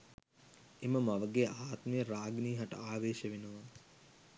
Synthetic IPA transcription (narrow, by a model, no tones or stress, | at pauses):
eməmaʋəɡeʔaːt̪mejəɾaːɡniːɦaʈə̰aːʋeːʃəʋenuʋa